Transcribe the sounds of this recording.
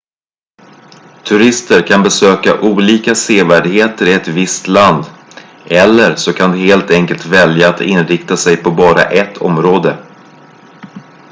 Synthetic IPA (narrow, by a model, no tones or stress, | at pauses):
t̪ʰɵɾɪst̪əɾkʰanbɛsøːka̰ʔuːliːkaseːvæːɖɪheːt̪əɾɪɛt̪vɪst̪land̪ | ɛlːəɾsɔkʰand̪ɛheːlt̪ɛŋkəlt̪vɛljaːt̪ɪnɾɪkt̪asɛjpʰɔbɑːɾa̰ʔɛt̪ʰɔ̰mɾoːd̪ə